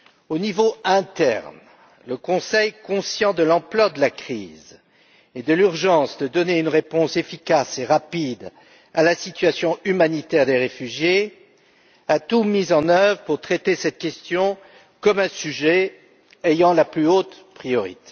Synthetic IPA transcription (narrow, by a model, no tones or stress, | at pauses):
onivoɛ̃t̪ɛ̰ʁn | ləkɔ̃sɛjkɔ̃sjɑ̃d̪əlɑ̃plwad̪əlakχḭz | ed̪əlyʁʒɑ̃sd̪əd̪ɔneynʁepɔ̃sefikʲaseʁapid̪ | alasit̪ɥasjɔ̃ymanit̪ɛʁd̪eʁefyʒje | at̪umizɑ̃nœvʁəpuʁt̪χet̪esɛt̪̚kʲɛst̪jɔ̃ | kɔmɛ̃syʒɛ | ejɑ̃laplyot̪ | pχijɔʁḭt̪e̥